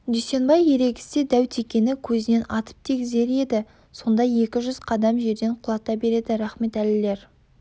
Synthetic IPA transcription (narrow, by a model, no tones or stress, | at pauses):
d̪yjse̞nbɑjːe̞ɾe̞ɡʲɪ̥sed̪æwt̪ʰe̞kʲe̞nɪkʲʰɵzɪne̞nɑt̪ə̥p̚t̪ʰeɡʲɪze̞ɾe̞d̪ɪ | so̞nd̪ɑje̞kʲɪʒʏz̥qʰɑd̪ɑmʒe̞ɾd̪e̞ɴqʰʊlˠɑt̪ɑbe̞ɾe̞d̪ɪɾæχme̞t̪ælɪle̞ɾ